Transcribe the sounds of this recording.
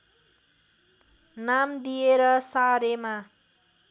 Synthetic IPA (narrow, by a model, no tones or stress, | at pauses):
namd̪ijeɾʌsaɾema